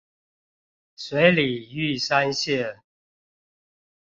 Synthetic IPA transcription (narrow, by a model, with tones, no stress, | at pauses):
swe˨˦ɪli˨˩y˥˨sa˦nɕjɛ˥˨